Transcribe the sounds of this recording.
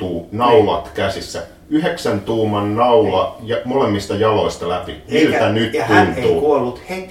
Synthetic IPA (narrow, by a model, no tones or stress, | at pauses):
uːnɑulɑ̰t̪kæsisːæ | yɦeksænt̪uːmːɑnːɑulɑjɑmolemːist̪ɑjɑlo̞ist̪ɑlæpḭmilt̪ænyt̪tunt̪uːkuolːut̪he